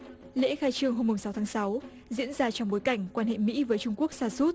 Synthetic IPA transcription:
lḛ˧˥xaː˧jt͡ɕɨ˧əŋɦo˧mːʊ˨˩ŋ͡msa˨˦wt̪ʰaː˨˦ŋsa˨˦w | zḭ˧˥ənzaː˧t͡ɕɔ˧wŋ͡mɓo˨˦jka˧˩jŋ̟kwaː˧nɦḛ˧˨mḭ˧˥vəː˨˦jt͡ɕʊ˧ŋ͡mku˦˥ək̚saː˧su˦˥t̚

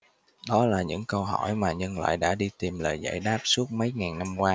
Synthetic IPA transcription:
ɗɔ˨˦laː˨˩ɲɨ̰˧˥ŋkə˧wɦɔ˧˩jmaː˨˩ɲə˧nla̰ː˧˨jɗa̰ː˧˥ɗi˧t̪i˨˩mləː˨˩jza̰ː˧˥˨jɗaː˦˥p̚su˦˥ət̚mə˨˦jŋaː˨˩nːa˧mkwaː˧

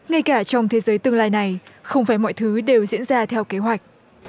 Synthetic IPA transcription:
ŋa˧jkaː˧˩t͡ɕɔ˧wŋ͡mt̪ʰe˨˦zəː˨˦jt̪ɨ˧əŋlaː˧jna˨˩jxə˧wŋ͡mfaː˧˩jmɔ̰˧˨jt̪ʰɨː˨˦ɗe˨˩wzḭ˧˥ənzaː˧t̪ʰɛ˧wke˨˦ɦwa˨˩jk̟̚

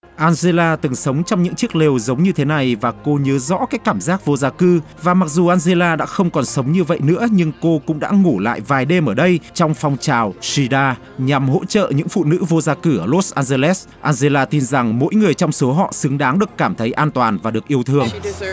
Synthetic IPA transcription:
ʔaː˧nze˧laː˧t̪ɨ˨˩˦ŋsə˨˦wŋ͡mt͡ɕɔ˧wŋ͡mɲɨ̰˧˥ŋt͡ɕɨ˦˥ək̚le˨˩wzə˨˦wŋ͡mɲɨ˧t̪ʰe˨˦na˨˩jvaː˨˩ko˧ɲəː˨˦zɔ̰˧˥kaː˨˦˥jkkːaː˧˩mzaː˦˥k̚vo˧zaː˧kɨ˧ | vaː˨˩ma˨˩k̚zu˨˩ʔaː˧nze˧laː˧ɗa̰ː˧˥xə˧wŋ͡mkɔ˨˩nsə˨˦wŋ͡mɲɨ˧və̰˧˨jnɨ̰˧˥əɲɨ˧ŋko˧kʊ̰˧˥ŋ͡mɗa̰ː˧˥ŋu˧˩la̰ː˧˨jvaː˨˩jɗe˨mʔəː˧˩ɗə˧jt͡ɕɔ˧wŋ͡mfɔ˧wŋ͡mt͡ɕaː˨˩wsi˧ɗaː˧ | ɲa˨˩mɦo̰˧˥t͡ɕə̰ː˧˨ɲɨ̰˧˥ŋfṵ˧˨nɨ̰˧˥vo˧zaː˧kɨ˧˩ʔəː˨˩lo˦˥t̚s̚ʔaː˧nze˧lɛ˦˥s | ʔaː˧nze˧laː˧t̪i˧nza˨˩ŋmo̰˧˥jŋɨ˨˩əjt͡ɕɔ˧wŋ͡mso˨˦ɦɔ̰˧˨sɨ˨˦ŋɗaː˨˦ŋɗɨ˨˩əkːaː˧˩mt̪ʰə˨˦jʔaː˧nt̪waː˨˩nvaː˨˩ɗɨ˨˩ək̚ʔi˧əwt̪ʰɨ˧əŋ

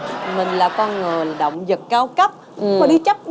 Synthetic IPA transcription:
mï˨˩ŋ̟laː˨˩kɔ˧nŋəː˨˩la˨˩ɗə̰˧˨wŋ͡mzə˨˩t̚kaː˨˧wkə˦˥p̚ɔ˧˦ɗi˧˦t͡ɕa˦˥p̚ɗ

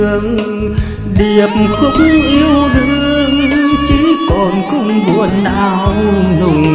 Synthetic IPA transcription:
əŋ | ɗi˨˩əp̚xʊ˧˥ŋ͡mʔi˧əwzu˧˥˦ | t͡ɕi˧˦kɔ˨˩nkʊ˧˩ŋ͡mvu˧˨˩ənɗa̰ː˧˩wnʊ˨˩

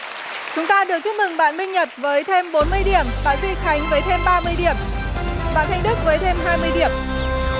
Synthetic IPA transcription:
t͡ɕʊ˨˦ŋ͡mt̪aː˧ɗɨ˨˩ət͡ɕʊ˦˥k͡p̚mɨ˨˩ŋɓa̰ː˧˨nɓï˧ŋ̟ɲə˨˩t̚vəː˨˦jt̪ʰe˧mɓo˨˦nmɨ˧əjɗi˧˩əmɓa̰ː˧˩zi˧˩xa˨˦jŋ̟vəː˨˦jt̪ʰe˧mɓaː˧mɨ˧əjɗi˧˩əmɓa̰ː˧˨nt̪ʰa˧jŋ̟ɗɨ˦˥k̚vəː˨˦jt̪ʰe˧mɦaː˧jmɨ˧əjɗi˨˩əm

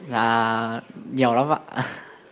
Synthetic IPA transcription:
zaː˨˩ | ɲi˨˩ə˨wla˨˦mva̰˧˨

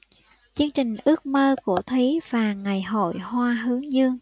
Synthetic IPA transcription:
t͡ɕɨ˧əŋt͡ɕï˨˩ŋ̟ʔɨ˦˥ək̚məː˧ku˧˩ət̪ʰwi˨˦v̥aː˨˩ŋa˨˩jɦo̰˧˨jhwaː˧ɦɨ˨˦əŋzɨ˧əŋ

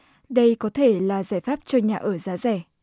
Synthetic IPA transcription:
ɗə˧jkɔ˨˦t̪ʰe˧˩laː˨˩zaː˧˩jfaː˦˥p̚t͡ɕɔ˧ɲaː˨˩ʔəː˧˩zaː˨˦zɛ˧˩˨

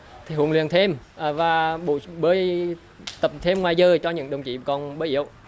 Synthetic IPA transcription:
t̪ʰi˨˩ɦṵ˧˩əŋli˧˨ənt̪ʰe˧mː˨˩vaː˨˩ɓṵ˧˨ɓəː˨˦j | t̪ə˨˩p̚t̪ʰe˧mŋwaː˨˩jzəː˧˩t͡ɕɔ˧ɲɨ̰˧˥ŋɗə˨˩wŋ͡mt͡ɕḭ˧˨kɔ˨˩nɓəː˨˦jʔḭ˧˥˨əw

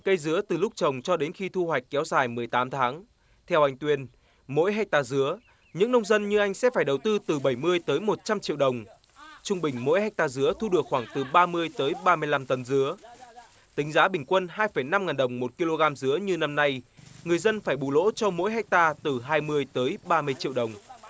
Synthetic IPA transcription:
kə˧jzɨ˨˦ət̪ɨ˨˩lʊ˦˥k͡p̚t͡ɕə˨˩wŋ͡mt͡ɕɔ˧ɗe˨˦nxi˧t̪ʰu˧hwa˨˩jk̟̚kɛ˨˦wzaː˨˩jmɨ˨˩əjt̪aː˨˦mt̪ʰaː˨˦ŋ | t̪ʰɛ˧wʔa˧jŋ̟t̪wi˧ən | mo̰˧˥jɦa˧˥k̟̚t̪aː˧zɨ˨˦ə | ɲɨ̰˧˥ŋnə˧wŋ͡mzə˧nɲɨ˧ʔa˧jŋ̟sɛ̰˧˥faː˧˩jɗə˨˩wt̪ɨ˧t̪ɨ˨˩ɓə˧˩jmɨ˧əjt̪əː˨˦jmo˨˩t̚t͡ɕa˧mt͡ɕḭ˧˨əwɗə˨˩wŋ͡m | t͡ɕʊ˧ŋ͡mɓï˨˩ŋ̟mo̰˧˥jha˧˥jk̚t̪aː˧zɨ˨˦ət̪ʰu˧ɗɨ˨˩ək̚xwaː˧˩ŋt̪ɨ˨˩ɓaː˧mɨ˧əjt̪əː˨˦jɓaː˧mɨ˧əjla˧mt̪ə˨˦nzɨ˨˦ə | t̪ï˨˦ŋ̟zaː˨˦ɓï˨˩ŋ̟kwə˧nɦaː˧jfə˧˩jna˧mŋaː˨˩nɗə˨˩wŋ͡mmo˨˩t̚ki˧lo˧ɣaː˧mzɨ˨˦əɲɨ˧na˧mna˧jŋɨ˨˩əjzə˧nfaː˧˩jɓu˧˩lo̰˧˥t͡ɕɔ˧mo̰˧˥jɦa˧˥jk̚t̪aː˧t̪ɨ˨˩ɦaː˧jmɨ˧əjt̪əː˨˦jɓaː˧mɨ˧əjt͡ɕḭ˧˨əwɗə˨˩wŋ͡m

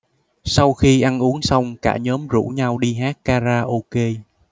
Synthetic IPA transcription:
sa˧wxi˧ʔa˧nʔu˨˦əŋsa˧wŋ͡mka̰ː˧˩ɲɔː˨˦mzṵ˧˥ɲa˧wɗi˧ɦaː˦˥t̚kaː˧zaː˧ʔo˧ke˧

